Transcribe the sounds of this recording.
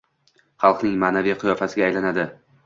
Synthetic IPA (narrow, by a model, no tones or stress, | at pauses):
χɑlˠqnɪŋmaːnavijqʰʊjɒfasɪɡʲajlanad̪ɪ